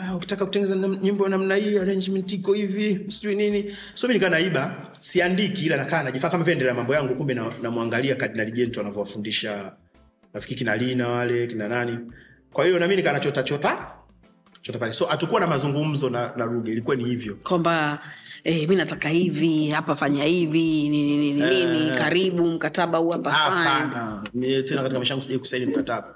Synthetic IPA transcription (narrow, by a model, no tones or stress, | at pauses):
auki̥takaku̥tɛŋɡɛnɛzaɲimbɔanamnaiaɾɛɲd͡ʒmɛntikɔhivisiʄuinini | sɔminikanaiɓa | siandikiːlanakaːnaʄifaːakamaviɛndɛlɛamambɔjaŋɡukumbɛnanamuaŋɡaliakatinaliʄɛntɔanavɔwafundiʃa | nafikiɾikinalinawalɛkinanani | kwahijɔnaminikanat͡ʃɔtat͡ʃɔta | t͡ʃɔtapalɛsɔʔatukuwanamazuŋɡum̩zɔnanaluɡɛilikuwanihivjɔkwamba | ɛminatakahivihapafaɲahivininininininikaɾiɓum̩kataɓahuhapaaaanmtɛnakatikamaʃaŋɡusiʄaiku̥sainim̩kataɓa